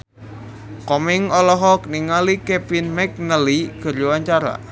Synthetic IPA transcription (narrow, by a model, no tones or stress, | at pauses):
kɔmɪŋɔlɔɦɔk̚niŋalikɛpinmɛk̚nəliɡ̥ə̤ruwaɲt͡ʃaɾa̰